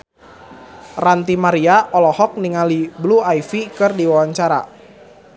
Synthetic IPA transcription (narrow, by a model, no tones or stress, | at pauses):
rant̪imaɾiaʔɔlɔhɔk̚niŋalibluaifikɨrdiwawaɲt͡ʃaɾa̰